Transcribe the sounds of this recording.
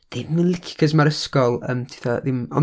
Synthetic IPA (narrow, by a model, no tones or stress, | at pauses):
ðimnlˠɪkʰkʰəsmaɾəskɔlˠə̰mtʰi̥θaðɪmɔ̰